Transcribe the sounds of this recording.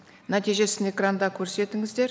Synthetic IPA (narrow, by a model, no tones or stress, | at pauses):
næt̪ijʒe̞sɪne̞krand̪ɑkʲʰɵɾse̞t̪ɪŋɪzd̪e̞ɾ